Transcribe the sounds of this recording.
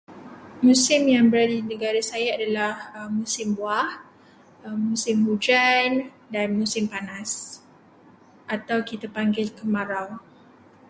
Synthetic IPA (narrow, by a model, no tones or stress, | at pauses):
mũsɪmjaŋbəɾadidinə̃ɡaɾasajaadalahəmũsɪmbuah | mmũsɪmhud͡ʒan | danmũsɪmpanas | ʔat̪awkit̪apaŋɡɪlkəmaɾaw